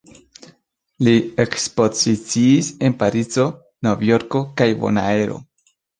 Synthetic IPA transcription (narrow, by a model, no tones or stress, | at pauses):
liekspo̞zit͡siːse̞npaɾit͡so̞ | no̞vjo̞ɾko̞kajvo̞̰naeɾo̞̰